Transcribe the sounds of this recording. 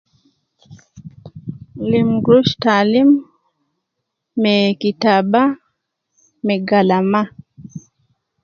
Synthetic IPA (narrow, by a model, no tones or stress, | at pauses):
limɡɾuʃtalim | ɛkitaba | mɛɡalama